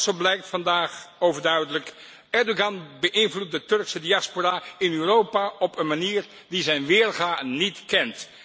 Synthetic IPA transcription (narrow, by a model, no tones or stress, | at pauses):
soblɛjk̚tfɑndaːχowvəɹdœɥdələk | ɛɹdoɡɑnbəʔɪnvlut̚dətɵrksədiɑsporaːɪnyːrowpaɔpənmaniːr | dizɛjnʋɪːrχaːnitkɛnt